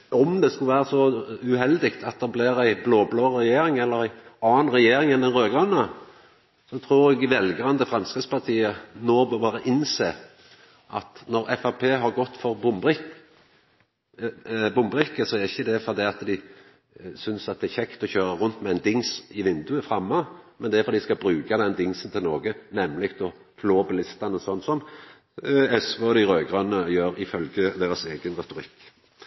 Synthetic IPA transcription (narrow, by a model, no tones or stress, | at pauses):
ʔɔmd̪ɛskʉlʋæːɾəsɔʉhɛld̪ɪkt̪ʰɑt̪̚d̪ɛblɪɾæɪbloːbloːɾɛjeːɾɪŋɛlːəʁæɪɑːnʁɛjeːɾɪŋɛnːɛnɾøːɡʁɑnːə | sɔt̪ʰɾuːɾɛɡɪʋɛlɡɾɑnd̪əfʁɑmskəspʰɑʁt̪ʰiːənoːbɑbɑːɾəʔɪnseːʁ | ʔɑt̪nɔɾɛfɑpʰeːɦɑʁɡɔt̪ːfɔɾbɪ | bʊmbʁɪkːəsɔɛæɾɪçːəd̪ɛfɔd̪ɛɑt̪d̪ɪ | sʏnsɑt̪̚d̪ɛæçɛkt̪ɔçøːɾəʁʉnt̪mɛæɪnd̪ɪŋsɪʋɪnd̪ʉəfʁɑmːɑmɛnd̪ɛæfɔɾd̪ɪskɑbɾʉːɡɑd̪ɛnd̪ɪŋsən̩t̪ʰɪlnoːɡənɛmːlɪkt̪ɔ | pʰloːbɪlɪst̪ɑnəsɔnːsɔn | ɛsʋəɔd̪ɪɾøːɡʁɑnːəjøːɾɪfœlɡəd̪eːɾəseːɡənʁɛt̪ʊɾɪkː